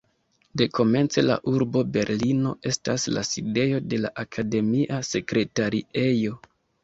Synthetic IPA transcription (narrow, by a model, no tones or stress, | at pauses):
de̞ko̞me̞nt͡se̞la̰ʔuɾbo̞be̞ɾlino̞̰ʔe̞stasla̰side̞jo̞de̞la̰ʔakʰade̞miʔase̞kɾe̞taɾie̞jo̞